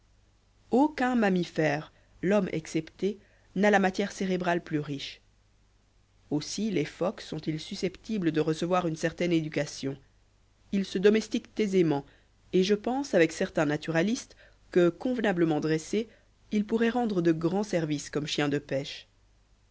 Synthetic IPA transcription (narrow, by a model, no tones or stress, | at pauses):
okɛ̃mamifɛːʁ | lɔmɛ̰ksɛpt̪e | nalamat̪jɛʁseʁebʁalplyʁiʃ | osilefɔksɔ̃t̪ilsysɛpt̪ibləd̪əʁəsəvwaʁynsɛʁt̪ɛned̪ykasjɔ̃ | ilsəd̪ɔmɛst̪ikt̪ezemɑ̃ | eʒəpɑ̃savɛksɛʁt̪ɛ̃nat̪yʁalist̪ | kəkɔ̃vnabləmɑ̃d̪ʁese | ilpuʁɛʁɑ̃d̪ʁəd̪əɡʁɑ̃sɛʁviskɔmʃjɛ̃d̪əpɛʃ